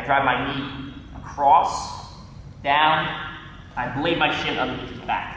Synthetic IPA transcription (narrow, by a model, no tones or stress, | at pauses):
aɪdɹaɪmaɪniəkʰɹ̥ɔs | d̥ãʊ̃n | aɪbleɪv̚maɪʃɪ̃nʌ̃nðiitbæ̰k